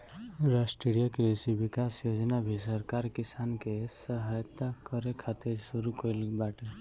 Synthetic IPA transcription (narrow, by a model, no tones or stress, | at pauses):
ɾasʈiɽijəkɾesibikasjod͡ʒnabʱisəɾkaɾkisankesəɦajt̪akəɾekʰat̪eɾsuɾukəjlbaʈe